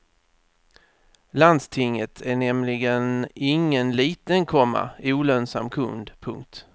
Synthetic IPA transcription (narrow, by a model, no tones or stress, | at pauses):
land̪st̪ʰɪŋːət̪ʰæɳɛmlɪɡənɪŋːənliːt̪ənkʰɔmːa̰ɪuːlœnsa̰mkʰɵ̰nd̪pʰɵ̰ŋk̚t̪